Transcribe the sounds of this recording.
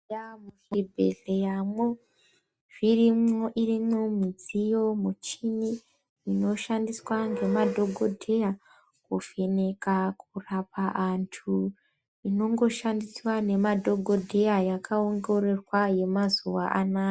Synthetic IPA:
amuʃibʱḛɮe̞jamo | ʐ̥irimoʔirimomid͡zijo̞mut͡ʃini | ino̞ʃandiswaŋɡe̞madʱo̞ɡʱo̞dʱe̞ja | kufe̞nekakurapaʔantʰu | ino̞ŋɡo̞ʃandiswane̞madʱo̞ɡʱo̞dʱe̞jajakʰaoŋɡo̞ɾe̞rwaje̞mazuʋaʔanaː

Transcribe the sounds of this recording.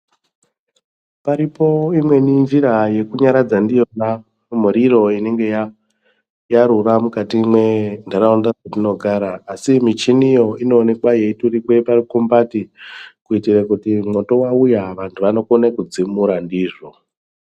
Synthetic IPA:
paɾipo̞imwe̞niɱviɾaje̞kuɲaɾad͡zandijona | m̤uɾiro̞ine̞ŋɡe̞ja | jaɾuramukatimwe̞ndaɾaundatino̞ɡʱaɾaːsimit͡ʃinijo̞ino̞ːne̞kwaje̞iturikwe̞parikumbatikuitirakutimwo̞to̞waujaʋantʰuʋano̞konekud͡zimuɾandiːʐo

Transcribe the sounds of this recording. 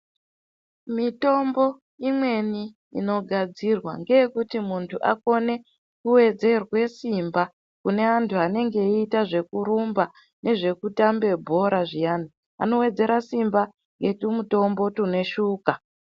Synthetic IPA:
mito̞mbo̞ | imwe̞nḭː | no̞ɡʱad͡zirwa̰ŋɡe̞jekutimuntʰuʔa̰ko̞ne̞ | kuwe̞d͡ze̞rwe̞simba | kune̞antʰuane̞ŋɡe̞iːtaʐe̞kuɾumba | ne̞ʐe̞kutambe̞bʱo̞ɾaʐijani | a̰no̞we̞d͡ze̞ɾasimba | ŋɡe̞tumuto̞mbo̞tune̞ʃuːka

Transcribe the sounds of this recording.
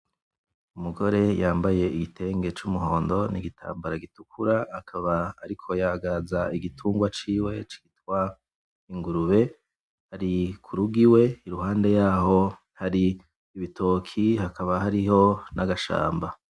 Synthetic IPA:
umuɡo̞ɾe̞jaːmbaje̞iɡitʰe̞ːŋɡe̞t͡ʃumuɦo̞ːndo̞niɡitʰa̰ːmbaɾaɡitukʰuɾaːkʰaβaːɾikʰo̞jaɡazaiɡitʰuːŋɡwat͡ʃiːwe̞t͡ʃi̥ɡ̥itwa | iŋɡuɾuβe̞ | haɾikʰuɾuɡiwe̞iɾuɦaːnde̞jaːho̞ | haɾiː | βitʰo̞ːkʰihakaβahaɾiho̞naɡaʃa̰ːmba

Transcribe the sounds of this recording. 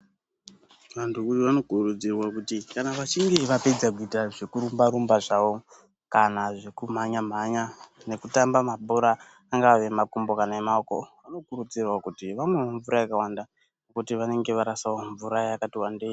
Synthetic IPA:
ʋantʰuujoʋano̞kuɾud͡zirwakutikanaʋat͡ʃiŋɡe̞ʋape̞d͡zak̬uitaʐe̞kuɾumbaɾumbaʐaʋo̞ | kanaʐe̞kum̤aɲam̤aɲane̞kutambamabʱoɾaː | ŋɡaʋe̞makumbo̞kanaemaokoʋano̞kuɾud͡zirwakutiʋamwe̞oɱvuɾajakawanda | nokutiʋane̞ŋɡe̞ʋaɾasawoɱvuɾajakatiwandeː

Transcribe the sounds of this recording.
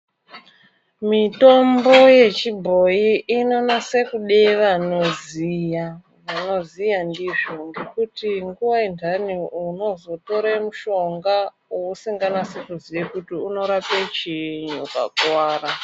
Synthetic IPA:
mito̞mbo̞je̞t͡ʃibʱo̞jiʔːno̞nase̞kuɗeʋano̞zija | ʋano̞zijandiʐo̞ŋɡe̞kutiŋɡuwaintaniuno̞zo̞to̞ɾemuʃo̞ŋɡa | ousiŋɡanase̞kuziekutiuno̞ɾapet͡ʃiɲuka̰kwaːra

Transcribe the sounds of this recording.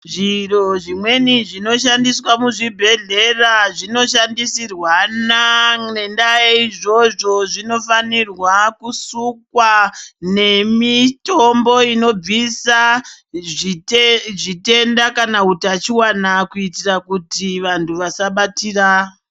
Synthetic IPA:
ʐiro̞ʐimwe̞niʐino̞ʃandiswamuʐibʱe̞ɮe̞raʐino̞ʃandisirwanaŋendajeiʐo̞ʐo̞ʐino̞fanirwakusukwane̞mitombo̞ino̞b͡visa | ʐite̞ndakanautiat͡ʃiwanakuitirakutiʋantʰuʋasaɓatira

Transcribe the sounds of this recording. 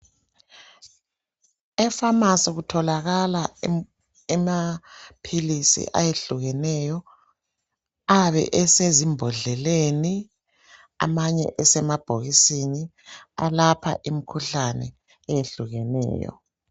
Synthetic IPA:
ɛfamasɛɣutʰɔlaɣala | ɛmapʰilisḭʔa̰jeɬuɣɛnɛjɔ | aβɛ̰ʔɛsezimbʱɔɮɛleni | a̰maɲɛ̰ʔɛsɛmab̥ʱoɣisini | alapʰa̰ʔimikʰuɬanɛ̰ | ɛjeɬuɣɛnɛ̰ːjɔ̰

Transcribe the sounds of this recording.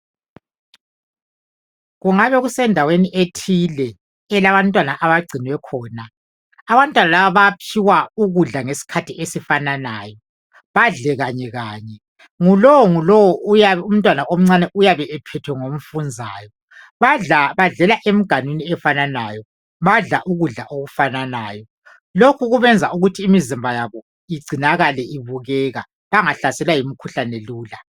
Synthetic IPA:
ɣuŋaβɛɣusɛndʱaweniʔetʰilɛː | laβantʼwanaʔaβaɡ͡ǀʱinwɛkʰɔːnaː | βantʼwanalaβaβapʰiwauɣuɮaŋesi̥kʰatʰiesifananaːjɔ | βaɮɛɣaɲɛɣaːɲɛ | ŋulɔwɔŋulɔwɔujaum̩tʼwanaʔom̩ŋ͡ǀanɛʔujaβɛʔɛpʰɛtʰwɛŋom̩fund͡zʱaːjɔ | βaaβaɮɛlaʔem̩ɡ̥ʱanwiniɛfananajɔ | βaɮaʔuɣuɮaʔoɣufananaːjɔ | lokʰuɣuβɛnd͡zʱauɣutʰiːmizimbʱajaβɔ | iɡ͡ǀʱinaɣalɛʔiβuɣɛɣa | βaŋaɬasɛlwajimikʰuɬanɛluːla

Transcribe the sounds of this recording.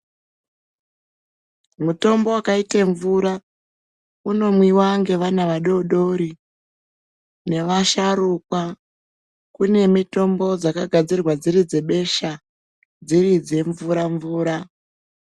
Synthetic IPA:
muto̞mbowakaiteɱvuɾa | uno̞mwiwaŋɡe̞ʋanaʋaɗo̞ɗo̞ɾi | ne̞ʋaʃaɾukwa | kune̞mito̞mbo̞d͡zakaɡʱad͡zirwad͡ziɾid͡ze̞ɓe̞ʃa | d͡ziɾid͡ze̞ɱvuɾaɱvuːɾa

